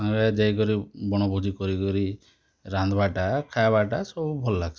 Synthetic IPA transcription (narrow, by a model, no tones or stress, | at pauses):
aŋɡad͡ʒajkɔɾibɔɽ̃ɔbʱud͡ʒikɔɾikɔɾi | ɾand̪ɔbaʈakʰajbaʈasɔbubʱɔlɔlaɡs